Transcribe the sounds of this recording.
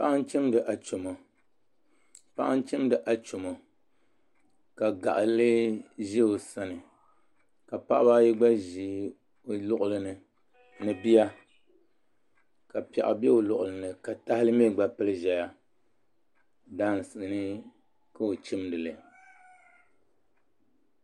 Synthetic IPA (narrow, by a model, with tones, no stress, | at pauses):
pa˦ʔa˦n˦t͡ʃɨ˦mdɨ˨ʔa˨t͡ʃo˨mo˨ | pa˦ʔa˦n˦t͡ʃɨ˦m˦dɨ˨ʔa˨t͡ʃo˨mo˨ | ka˨ɡa˨ʔa˨lɨ˦ʒi˦o˨sa˦nɨ˨ | ka˨pa˦ʔa˦ba˦ji˦ɡ͡ba˦ʒi˨˦ | o˨lʊ˦ʔʊ˨lɨ˨nɨ˨ | nɨ˨bi˦ja˦ | ka˨pɛ̰˨ʔa̰˨bɛ˦o˨lʊ˨ʔʊ˨lɨ˨nɨ˨ka˨ta˦hɪ˦lɨ˦me˦˨ɡ͡ba˨pɨ˦lɨ˦ʒɛ˨ja˦ | daː˦˨n˨sɨ˨ʔɨ˨nɨ˦ | ka˦o˨t͡ʃɪ˦mdɨ˨lɨ˨